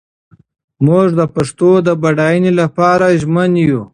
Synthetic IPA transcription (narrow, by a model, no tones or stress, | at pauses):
muʐd̪əpaʂt̪od̪əbaɽajənelapɑɾaʒmənju